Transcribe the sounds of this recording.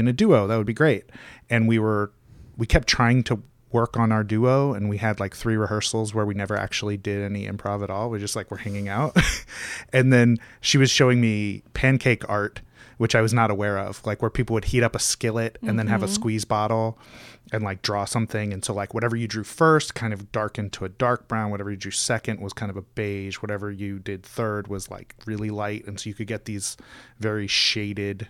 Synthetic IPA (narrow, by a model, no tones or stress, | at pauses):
ɨ̃nɨdʉoʊðət̚wəd̚biɡɹeɪt̚ɨ̃nwiwə˞ | wikʰɛp̚tʰɹ̥aɪɪ̃ŋtʰə | wɜ˞kn̩aʊə˞dʉoʊɨ̃nwiɨdˡlaɪkθɹiɹɨhɜ˞sl̩ˠzwə˞winɛvə˞ʔæ̰k̚t͡ʃul̩ˠidɪɾɛniʔɨ̰̃mpʰɹ̥avɨɾɔlˠwid͡ʒʌst̚ˡlaɪkwə˞hæ̃ŋɪ̃ŋaʊt̚ | ɨ̃nðɨ̃nʃiwʌz̥ʃoʊɪ̃ŋmipʰæ̃nkʰeɪkɑɹt̚wɨt͡ʃaɪwʌznəɾəwɛɹʌ̰v̥laɪkwə˞pʰipl̩ˠwɨd̚hiɾʌpəskɪlˠɪtɨ̃nðɨ̃nɨvəskwizbɑɾl̩ˠɨ̃nlaɪk̚dɹɔsʌ̃mθɪ̃ŋɨ̃nsoʊlaɪkwʌɾɛvə˞jɨdɹʉfɜ˞st̚kʰãɪ̃ndʌvdɑɹkɪ̃ntʰuɨdɑɹk̚b̥ɹãʊ̃nwʌɾɛvə˞jɨdɹʉsɛkɨ̃nʔ̚wʌz̥kʰãɪ̃ndʌvəbeɪd͡ʒwʌɾɛvə˞jɨdɪd̪̚θɜ˞d̚wʌzla̰ɪkɹɪlˠilaɪt̚ɨ̃n̩soʊjɨkʰɨd̚ɡɛt̪̚ðiz̥vɛɹiʃeɪɾɪd̥